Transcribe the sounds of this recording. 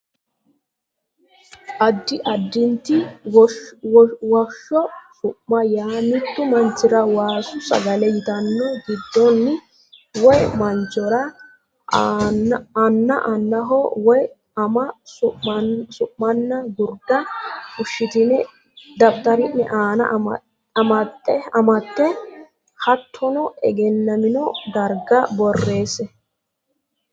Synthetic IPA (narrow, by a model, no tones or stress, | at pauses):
ʔɐd̪ːɪʔɐd̪ːɪnt̪ɪ | wɐʃːɔsʊʔmɐjaːmɪt̪ːʊmɐnt͡ʃːɪɾɐwaːsʊsɐ̰ɡɐlɛjɪt̪ɐnːɔɡɪd̪ːɔnːɪ | wɔjmɐnt͡ʃːɔɾɐ | ɐnːɐʔɐnːɐɦɔwɔj | ɐmɐʊsʊʔːɐnːɐɡʊɾd̪ɐʊʃːɪt̪ɪnɛ | d̪ɐbt̪ɐɾɪnːɛʔaːnɐ̰ | ɐmɐt̪ːɛɐmɐt̪ːɛ | hɐt̪ʰːɔnɔɛɡɛnːɐmɪnɔd̪ɐɾɡɐbɔrːe̞ːsɛ